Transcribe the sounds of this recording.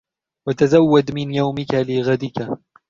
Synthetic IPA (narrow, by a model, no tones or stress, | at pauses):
wat̪azawːad̪mɪnjawmɪkalɪɣad̪ɪka